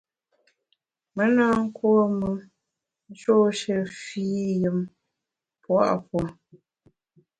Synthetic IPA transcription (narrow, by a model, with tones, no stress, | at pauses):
mə˦naː˦ŋ̩˦kwo˦mə˨ | n˦t͡ʃo˦ʃə˨fiː˦jə˨m | pwa̰˦ʔpwɔ˨